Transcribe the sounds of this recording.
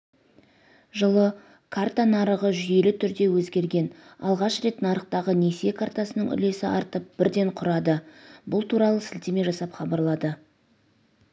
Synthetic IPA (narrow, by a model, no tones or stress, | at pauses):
ʒəlˠə | kʰart̪anɑɾəʁəʒʏje̞lɪt̪ʰʏɾd̪e̞wɵzɡʲe̞ɾɡʲe̞nɑ̰lˠʁɑʃɾe̞t̪nɑɾəq̚t̪ɑʁəne̞sekʰart̪asənəɴʏ̰le̞sɪʔɑɾt̪əp̚b̥ɪɾd̪e̞ɴqʰʊɾɑd̪əbʊlˠt̪ʰuɾɑlˠəsɪlt̪eme̞ʒɑsɑpχɑbɑɾlˠɑd̪ə